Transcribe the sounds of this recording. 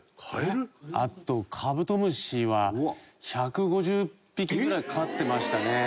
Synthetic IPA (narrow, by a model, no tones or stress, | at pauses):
kaa̰t̪ːo̞kʰabɯ̟t̪o̞mɯ̟ɕiβaçakɯ̟ɡo̞ʑɨːpʲːik̬ʲiɡɯ̟ɾaikaat̪ːe̞maɕi̥t̪ane̞